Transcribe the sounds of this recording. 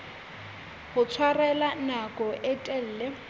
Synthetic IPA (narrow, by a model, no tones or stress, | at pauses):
hʊt͡sʰwarɛlanakʼɔʔɛtʼɛl̩ːlɛ